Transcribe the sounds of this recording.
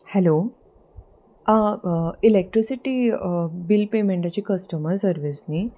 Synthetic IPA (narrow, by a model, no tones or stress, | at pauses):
hɛlo | ãilek̚ʈɾisiʈiːbilpemẽɳʈat͡ɕiːkəsʈəməɾsəɾʋisni